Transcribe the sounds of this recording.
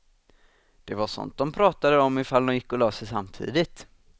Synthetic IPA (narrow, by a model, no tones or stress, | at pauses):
d̪̥ɛvaʂɔ̰nt̪̚d̪̥ɔmpʰɾɑːt̪ad̪əɔmːɪfald̪ɔmjɪkːɔløːsɛjsa̰mːt̪ʰḭːd̪ɪt̪